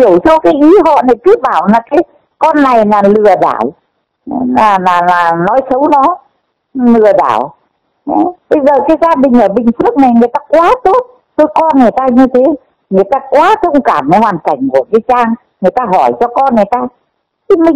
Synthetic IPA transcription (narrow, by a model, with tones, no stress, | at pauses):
i˧˩əwsɔ˧wkaː˨˦jʔi˨˦ɦɔ̰˧˨na˨˩ki˦˥p̚ɓaː˧˩wlaː˨˩kaː˨˦j | kɔ˧nːa˨˩jlaː˨˩lɨ˨˩əɗa̰ː˧˨j | aː˨˩laː˨˩laː˨˩nɔ˨˦jsə˨˦wnɔ˨˦ | lɨ˨˩əɗa̰ː˧˩˨w | ɓə˧jzəː˨˩kaː˨˦jzaː˧ɗï˨˩ŋ̟ʔəː˧˩ɓï˨˩ŋ̟fɨ˦˥k̚na˨˩jŋɨ˨˩əjt̪aː˧kwaː˨˦t̪o˦˥t̚ | t̪o˧jkɔ˧nŋɨ˨˩əjt̪aː˧ɲɨ˧t̪ʰe˨˦ | ŋɨ˨˩əjt̪aː˧kwaː˨˦t̪ʰə˧wŋ͡mkaː˧˩m˨˦hwaː˨˩nka˧˩jŋ̟ku˧˩əkaː˨˦jt͡ɕaː˧ŋ | ŋɨ˨˩əjt̪aː˧ɦɔ˧˩jt͡ɕɔ˧kɔ˧nŋɨ˨˩əjt̪aː˧ | t̪ʰi˨˦mï˨˩ŋ